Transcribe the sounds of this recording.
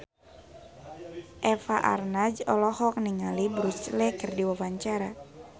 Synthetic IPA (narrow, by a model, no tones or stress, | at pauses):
ʔɛfaʔa̰rnad͡ʒɔlɔhɔk̚niŋalibɾut͡ʃlɛkɨrdiwawaɲt͡ʃaɾa